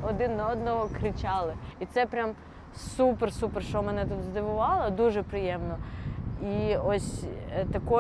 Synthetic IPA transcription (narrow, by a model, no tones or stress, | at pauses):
ɔd̪ɪnːɐɔd̪nɔɦɔkɾɪt͡ʃɑlˠɪit̪sɛpɾʲam | supɛrsupɛrʃt͡ʃɔmɛnɛt̪ut̪zd̪ɪʋʊʋɑlˠɐd̪uʒɛpɾɪjɛmnɔiɔsʲt̪ɐkɔ